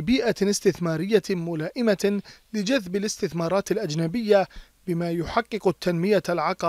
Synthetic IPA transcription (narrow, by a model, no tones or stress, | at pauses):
biːʔaɪst̪ɪθmaːɾɪjːamʊlaːʔɪmalɪd͡ʒaðbɪlɪst̪ɪθmɑːɾˤɑːt̪alʔad͡ʒnabɪjːa | bɪmaːjʊħɑqːɨqt̪ːanmɪjalʕɑqɑ